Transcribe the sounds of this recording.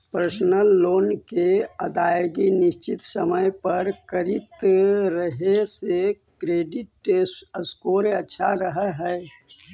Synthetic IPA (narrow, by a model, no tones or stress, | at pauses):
pɾəsnəlːoːnkeəd̪aːjɡinɪst͡ʃɪt̪səməjpəɾkəɾit̪ɾəɦesekɾeːɖɪʈeəskoːɾeətːʃʰaɾəɦəɦɛː